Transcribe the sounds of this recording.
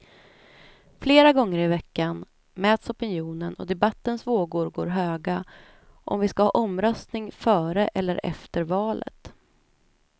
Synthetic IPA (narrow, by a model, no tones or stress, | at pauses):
fleːɾaɡɔŋːəɾɪvɛkːan | mɛːt̪sɔpɪnjuːnənɔ̰d̪ɛbat̪ːənsvoːɡʊɾɡo̰ːɾɦøːɡa | ʔɔ̰mvɪskahɑ̰ːʔɔmɾœst̪nɪŋfœːɾəʔɛlːəɾʔɛ̰ft̪əɾvɑːlə̰t̪